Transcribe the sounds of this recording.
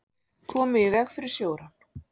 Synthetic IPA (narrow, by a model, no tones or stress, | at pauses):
kʰɔːmʏɪvɛxfɪɾɪɾ̥sjoːwɾa